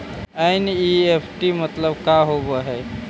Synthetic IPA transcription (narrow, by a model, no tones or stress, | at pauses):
ainiepʰʈimət̪ləbkaɦobəɦe